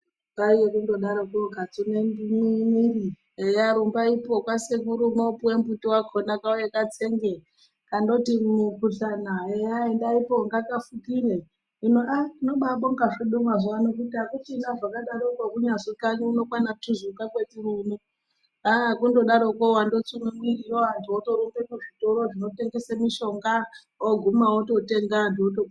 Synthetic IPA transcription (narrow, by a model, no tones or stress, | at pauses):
kaijekundo̞ɗaɾokoɡat͡suneniminiri | ejaɾumbaipokwasekuɾumopuwembutiwakʰonakaojekat͡seŋɡe | kando̞timukuɬanaejaendaipoŋɡakafukiɾe | inoʔaino̞ɓaɓoŋɡaʐiɗumwaʐoanok̬utiakutindaʐakaɗaɾokwakuɲazikaniuno̞kwanautizukakwetirunu | akundo̞ɗaɾokowandot͡suŋemirijoantʰuoto̞ɾombekuʐitoɾo̞ʐino̞te̞ŋɡe̞samiʃo̞ŋɡa | oɡʱumawoto̞teŋɡandoto